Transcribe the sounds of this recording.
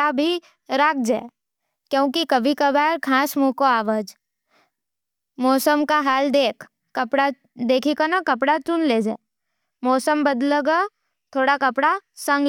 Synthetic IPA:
abʱi | ɾaːk̚ʰd͡ʒaːe | kjõːkikɐbʱikabaːɾkʰaːsmuːkoaːʋəd͡ʒ | mɔːsəmkaɦaːld̪eːkʰː | ɐpɽa | d̪eːkʰikanakɐpɽat͡ʃʊnleːd͡ʒa̰ːe | mɔːsəmbɐd̪ləɡə | t̪ʰoːɽakɐpɽasɐ̃ŋɡ

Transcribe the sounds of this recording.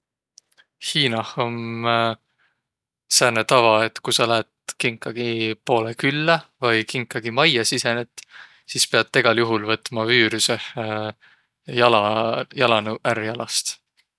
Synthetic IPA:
hiːnɑhon | særnet̪ɑvɑet̪ːˑkujsɑlæːt̪kiŋkːˑɑɡ̥ipo̞ːlekylːɑvɑjkiŋkːˑɑɡ̥imɑjɑsise̞net̪ːˑ | siːspeɑt̪ːe̞ɡ̥ɑljuɦulvɤt̪ːˑmɑvyːɾyseh | jɑlɑjɑlɑnuʔærjɑlɑst̪

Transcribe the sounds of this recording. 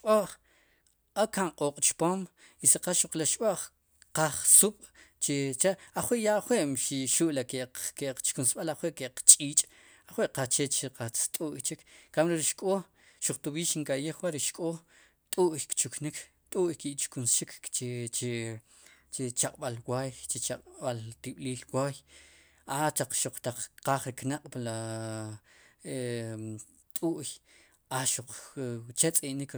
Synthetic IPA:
ʃɓoʔχ | akaɴqʼoːqʼt͡ʃpoːm | iseqaʃuq͡χlaʃɓoʔχ | qaχsuɓ̥ | t͡ʃet͡ʃaʔaχweʔjaʔχweʔmʃiʃuʔlakekeʔq͡χt͡ʃkunsɓalaχweʔkeq͡χt͡ʃʼiːt͡ʃʼ | aχweʔqat͡ʃet͡ʃeqat͡st̪ʼuʔjt͡ʃikːamɾeɾiʃkʼoː | ʃuq͡χt̪uɓiːʃiŋkʼaʔjeχwaɾiʃkʼoː | t̪ʼuʔjkt͡ʃuknik | t̪ʼuʔjkiʔt͡ʃkunsʃikt͡ʃet͡ʃe | t͡ʃet͡ʃaqʼɓalwaːjt͡ʃet͡ʃaqʼɓalt̪iɓliːlwaːj | ʔat̪aq͡χʃuq͡χt̪aq͡χqaːχɾiknaqʼpala | e | t̪ʼuʔj | ʔaʃuq͡χt͡ʃet͡sʼiʔnik

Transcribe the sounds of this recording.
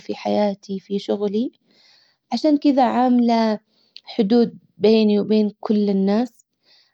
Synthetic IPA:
fiħajaːt̪ʰifiʃʊɣli | ʕaʃaːnkɪd̪aʕamla | ħʊd̪uːd̪̚ | beːniwbeːnkʊlːɪnːaːs

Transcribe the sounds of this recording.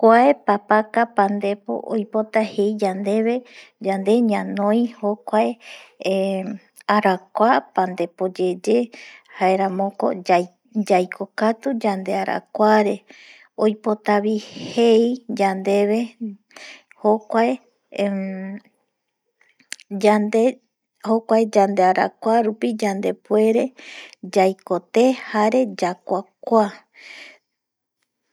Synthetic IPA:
kʷaepapakapãnd̪e̞po̰ʔojpo̞t̪ahe̞jd͡ʒand̪e̞βe̞d͡ʒand̪e̞ɲãnõj̃hokʷae | aɾakʷapand̪e̞po̞d͡ʒe̞d͡ʒe̞haeɾamõ̞ko̞̰ | d͡ʒajkʰokat̪ud͡ʒand̪e̞aɾa̰kʷaɾe̞ | ojpot̪aβihejd͡ʒand̪e̞βe̞ | hokʷae | ad̪e | hokʷaed͡ʒand̪eaɾa̰kʷaɾupid͡ʒand̪e̞pue̞ɾe̞d͡ʒajkot̪e̞haɾe̞d͡ʒakʷakʷa

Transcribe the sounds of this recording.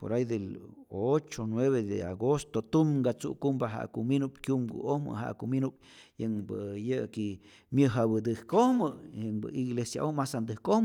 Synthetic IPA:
po̰ɾajd̪elot͡ʃonweβed̪ḛa̰ɡost̪ot̪umɡat͡sṵʔkumbaɦa̰ʔkuminupkʲumɡṵʔohmɨ̰ɦa̰ʔkuminup̚ | jəŋbɨjɨki | mjɨɦabɨd̪ɨhkohmɨjəŋbɨ̰iɡlesjaʔomasand̪ɨhkohm

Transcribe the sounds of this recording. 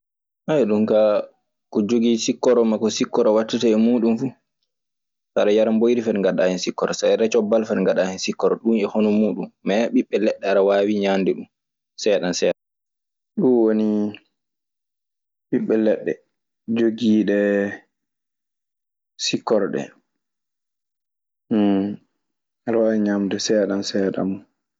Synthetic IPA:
ʔajɗumka | kɔd͡ʒoɡisikːɔɾɔmakɔsikːɔɾɔwatːitaɛmuːɗunfu | saɾajaɾambojɾifɛɾŋɡaɗahɛnsikːɔɾɔsajɾɛt͡ʃɔbːalfɛɾŋɡaɗahɛnsikːɔɾɔɗunɛhonɔmuːɗunːɛɓiɓːɛlɛɗːɛaɾawaːwiɲandɛɗum | sɛɗansɛɗa | ɗunwoni | ɓiɓːɛlɛɗːɛ | d͡ʒoɡiːɗɛ | sikːɔɾɗɛ̰ | aɾawawiɲamdɛsɛɗansɛɗa̰mu

